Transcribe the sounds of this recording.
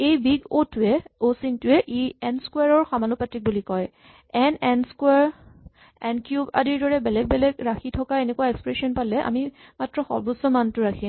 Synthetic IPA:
ejbiɡotʊɛosintʊɛʔiɛnskwaɹɔɹxamanupatɹik̚bulikɔj | ɛnɛnskwɛɹ | ɛnkjuba̰diɹdɔɹɛbɛlɛɡ̚bɛlɛɡɹaxitʰɔkaenɛkuwaɛkspɹesiɔnpalɛʔa̰mimatɹɔxɔ̰ɹbusɔmantʊɹakʰi

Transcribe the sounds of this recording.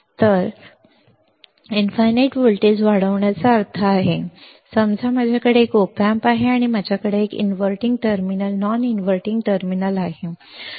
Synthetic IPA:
t̪əɾ | infajneʈʋolʈid͡zʋaɽəʋɳjat͡saəɾt̪ʰaːɦe | səmd͡zʱamad͡ʑʱjakəɽeːkopjampaɦeaɽ̃imad͡ʑʱjakəɽeekḭnʋəɾʈiŋɡ̚ʈəɾminəlnɔninʋəɾʈĩŋɡʈəɾminəlaɦe

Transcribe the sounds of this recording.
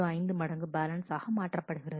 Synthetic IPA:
oɐɪnd̪ɯmɐɽɐŋɡɯbaːlɐnsaːɣɐmaːʈrɐpːɐɽɯɣɪrɐð

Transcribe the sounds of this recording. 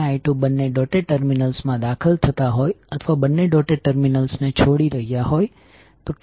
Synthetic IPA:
ajʈubənːeɖɔʈeʈəɾminəlsmãd̪akʰəlt̪ʰət̪aɦojət̪ʰəʋabənːeɖɔʈeʈəɾminəlsnet͡ʃʰoɽiɾəɦjaɦoj | t̪oʈ

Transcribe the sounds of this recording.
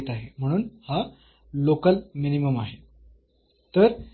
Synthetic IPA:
t̪aɦem̤əɽ̃uːnha | lokəlminiməmaɦe | t̪əɾ

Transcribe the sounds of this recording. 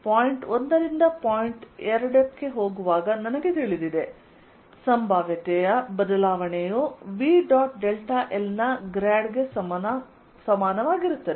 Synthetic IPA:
paːjiɳʈond̪ɐɾind̪ɐpaːjiɳʈɛɾɐɽɐkːe̞ɦo̞ːɡuʋaːɡɐnɐnɐɡe̞t̪eːɭid̪id̪e̞ | sɐmbʱaːʋjɐt̪ɛjɐbɐd̪ɐlaːʋɐɳejoʋiɖaːʈɖelʈaʔelnɐɡɾaːɖɡe̞ɐ | sɐmaːnɐʋaːɡiɾut̪ːɐd̪e

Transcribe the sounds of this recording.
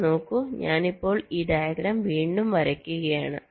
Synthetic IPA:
no̞ːkːuɲaːnipːo̞ːɭiːɖ̪aːjɐɡɾɐːmʋiːɳɖumʋɐɾɐkʲːuɣɐjaːɳɨ̰

